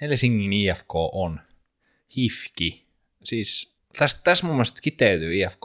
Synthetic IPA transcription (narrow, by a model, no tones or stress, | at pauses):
hɛlsiŋkiniɛfkoʔɔn | hifki | siːs | θæst̪θæsmuːmɛst̪kit̪ːɛɥðʏiɛfkː